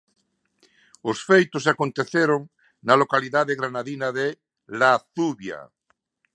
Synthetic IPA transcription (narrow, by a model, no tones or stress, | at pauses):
ʊsfejt̪ʊs̬akont̪eθeɾoŋ | nalokaliðaðeɣɾanaðinaðe | laθuβja̰